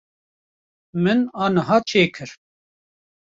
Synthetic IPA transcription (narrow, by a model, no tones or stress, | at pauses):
mɨnɑːnɨɦɑːt͡ʃʰeːkʰɨɾ